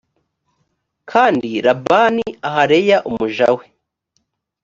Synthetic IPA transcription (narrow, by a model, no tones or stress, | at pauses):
kʰaːndiɾabaniahaɾejaʔumuʒa̰we